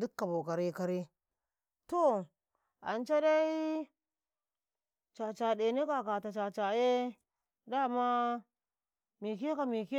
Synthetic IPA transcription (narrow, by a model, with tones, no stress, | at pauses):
di˦kːa˨bo˨ka˨ɾi˦ka˦ɾi˦ | to˦ | a̰˨nt͡ʃa˦da˦i˦ | t͡ʃa˨t͡ʃa˨de˨ne˦ka˨ka˨ta˨t͡ʃa˨t͡ʃa˨je˦ | da˦˨ma˦ | mi˨ke˦ka˨mi˨ke˦